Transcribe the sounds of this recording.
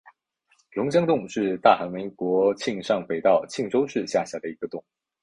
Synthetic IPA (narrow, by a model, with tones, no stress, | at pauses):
lʊ˧˥ŋɕ̬jɑ˥ŋt̪ʊ˥˧ŋʂɻ̩˥˧t̪a˥˩xa˧˥nmi˧˥ɪŋkwɔ˧˥t͡ɕʰi˥˧ŋʂɑ˥˩ŋfe˨˩ɪt̪ɑ˥˩ʊt͡ɕʰi˥˩ŋʈ͡ʂo˥ʊʂɻ̩˥˧ɕja˥˩ɕja˧˥d̪ə˧i˧˥ɡə˧t̪ʊ˥˩ŋ